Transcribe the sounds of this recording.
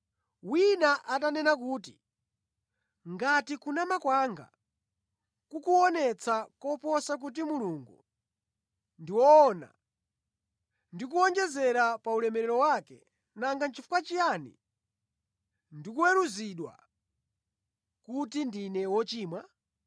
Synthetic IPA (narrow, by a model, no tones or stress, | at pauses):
winaʔatanɛnak̬uːti | ŋɡatikunamakwaːŋɡa̰ | kukuɔnɛt͡sʰakɔpɔsak̬ut̬imuluŋɡṵ | ndiwɔːna̰ | ndik̬uɔnd͡ʒɛzɛɾapaulɛmɛɾɛɾɔwaːkɛ̰ | naŋɡant͡ʃʰifukat͡ʃijaːnḭ | ndikuwɛɾuziɗwa̰ | kutindinɛwɔt͡ʃiːmwa